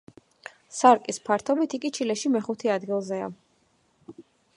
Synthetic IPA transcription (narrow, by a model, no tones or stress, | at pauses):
saɾkʼispʰaɾt̪ʰɔbit̪ʰikʼit͡ʃʰilɛʃimɛχut̪ʰɛad̪ɡilˠzɛa̰